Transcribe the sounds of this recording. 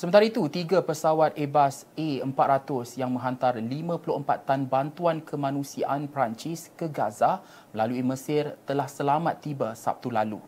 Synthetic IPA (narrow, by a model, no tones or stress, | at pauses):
səmə̃nt̪aɾait̪ut̪iɡapəsawat̪̚ebas | eəmpat̪rat̪ʊsjaŋmə̃ɦant̪arlimãpulʊəmpat̪ːanbant̪uankʰəmãnũsiaʔanpɾaɲt͡ʃɪskəɡaza | mə̃laluiməsɪrt̪əlahsəlamat̪ːibasa̰p̚t̪ulalṵ